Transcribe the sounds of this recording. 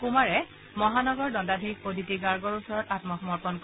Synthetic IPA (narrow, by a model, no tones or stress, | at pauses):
kumaɹɛ | mɔɦanɔɡɔɹdɔndadʱiik̚podʱitiɡaɹɡɔɹusɔɹɔtatmɔxɔmɔɹpɔnk